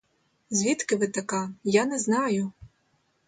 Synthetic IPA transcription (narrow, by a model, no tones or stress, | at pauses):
zʲʋʲit̪kɪʋɪt̪ɐkɑjanɛznɑjʊ